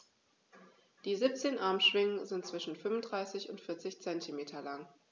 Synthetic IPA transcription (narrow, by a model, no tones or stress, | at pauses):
d̥iːzip̚t͡seːnʔaɐmʃv̥ɪŋənzɪnt̚t͡sv̥ɪʃn̩fʏmʊnd̥ʁaɪsɪçʊntfɪɐt͡sɪçt͡sɛntʰimeːtʰɐlaŋ